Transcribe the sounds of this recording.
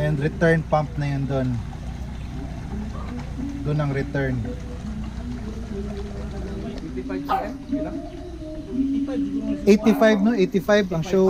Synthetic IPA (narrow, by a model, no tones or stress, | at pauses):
ɛnd̪ɾɪt̪ɛɹnpamp̚nɐjond̪on | d̪ʊnɐŋɾɪt̪ɛɹn | ʔejt̪ɪfajbnoʔejt̪ɪfajbɐŋʃo